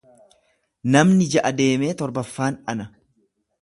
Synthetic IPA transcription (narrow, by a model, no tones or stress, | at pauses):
nɐmnɪd͡ʒɐʔɐd̪e̞ːme̞ːt̪ɔɾbɐfːaːnɐnɐ